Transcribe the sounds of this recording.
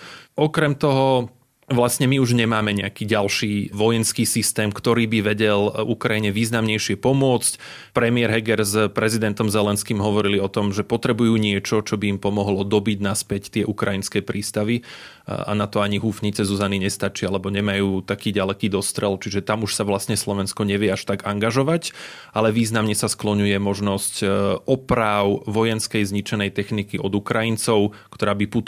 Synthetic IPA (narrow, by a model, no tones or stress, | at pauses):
ʔɔkɾɛmt̪ɔɦɔ | ʋlasɲɛmiuʒɲɛmaːmɛɲɛakiːɟalʃiːʋɔjɛnskiːsist̪ɛːmkt̪ɔɾiːbiʋɛɟɛlukɾajiɲɛʋiːznamɲɛjʃɪɛpɔmʊɔt͡sc | pɾɛmɪɛɾɦɛɡɛɾzpɾɛzid̪ɛnt̪ɔmzɛlɛnskiːmɦɔʋɔɾiliɔt̪ɔmʒɛpɔt̪ɾɛbujuːɲɪɛt͡ʃɔt͡ʃɔbiːmpɔmɔɦlɔd̪ɔbiɟnaspɛct̪ɪɛʔukɾajinskɛːpɾiːst̪aʋi | a̰nat̪ɔaɲiɦufɲit͡sɛzuzaniɲɛst̪at͡ʃialɛbɔɲɛmajuːt̪akiːɟalɛkiːd̪ɔst̪ɾɛlt͡ʃiʒɛt̪amuʃsaʋlasɲɛslɔʋɛnskɔɲɛʋɪɛaʃt̪aɡaŋɡaʒɔʋacʔalɛʋiːznamɲɛsasklɔɲujɛmɔʒnɔscʔɔpɾaːʊʋɔjɛnskɛjzɲit͡ʃɛnɛjt̪ɛxnikiʔɔd̪ukɾajint͡sɔʊkt̪ɔɾaːbiput̪